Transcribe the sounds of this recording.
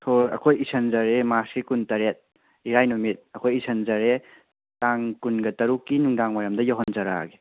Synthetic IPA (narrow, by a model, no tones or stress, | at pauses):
tʰoɾɐ̰kʰojisʰɐnzɐɾemaskikuntɐɾet̚ | iɾajnumit̚ɐkʰojisɐnzɐɾe | taŋkunɡɐtɐɾukːinuŋdaŋmajamdɐjaɦɔnzɐɾa̰ɡe